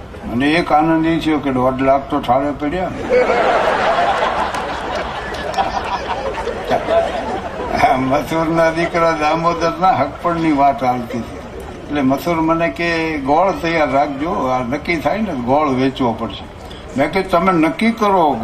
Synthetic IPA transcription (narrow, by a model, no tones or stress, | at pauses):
məneekanənit͡ʃʰijokeɖɔɖlaɡ̚t̪oʈʰaɽjepɛɽja | a | mət̪ʰuɾnad̪ikɾad̪amod̪əɾnaɦək̚pəɳniʋat̪alt̪it͡ʃ̪ʰe | etlemət̪ʰuɾmənekeɡɔɭt̪əjaɾːak̚ʰd͡ʒoanəkːit̪ʰaineɡɔɭʋet͡ʃʋopəɽʃe | mɛ̃ket̪əmenəkːikəɾo